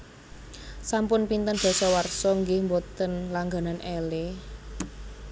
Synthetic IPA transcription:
sampʊnpint̪ənb̥ɔ̤sɔwarsɔŋɡɪhmbot̪ənlaŋɡa̤nanʔɛle

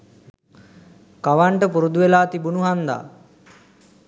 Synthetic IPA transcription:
kaʋaɳʈəpuɾud̪uʋelaːt̪ibunuɦand̪a̰ː

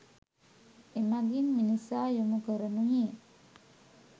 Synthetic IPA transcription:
emaɡinminisaːjumukəɾənuɦiː

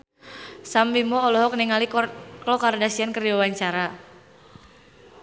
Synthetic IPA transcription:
sambimɔːlɔɦɔk̚niŋaliklɔkardasiankəriwawaɲt͡ʃaɾa

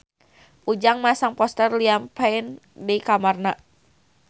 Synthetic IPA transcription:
ud͡ʒaŋmasaŋpɔst̪ərliampain | dikamarna

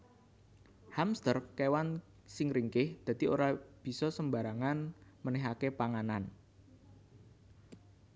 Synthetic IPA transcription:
hamst̪ərkewan | sɪŋɾiŋkɪhd̪̥ä̤t̪ioɾab̥i̤sɔsəmba̤ɾaŋanmənɛɦakepaŋanan

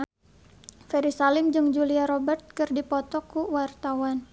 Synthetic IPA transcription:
fɛɾisalɪmd͡ʒɨŋd͡ʒuliaɾɔbɛrt̪̚kɨrdipɔt̪ɔkuwart̪awan

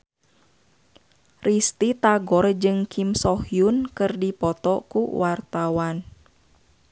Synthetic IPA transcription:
rʔist̪it̪aɡɔrd͡ʒɨŋkʰimsɔhjunkɨrdipɔt̪ɔkṵwʔart̪awan

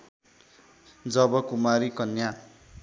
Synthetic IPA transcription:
d͡zʌbʌkumaɾikʌnja

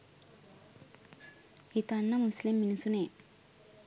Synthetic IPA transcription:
hit̪ɐnːɐmuslimːinsune

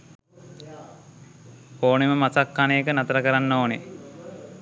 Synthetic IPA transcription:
oːneməmasakːanejːkənat̪əɾəkəɾanːoːne

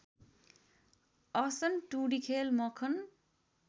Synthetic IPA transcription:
ʌsʌnʈuɽikʰelmʌkʰʌn

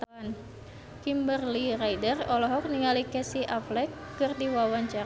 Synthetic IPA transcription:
t̪an | kimbərlirajdərɔlɔɦɔk̚niŋalikɛsiʔaflɛkːɨrdiwawaɲt͡ʃa

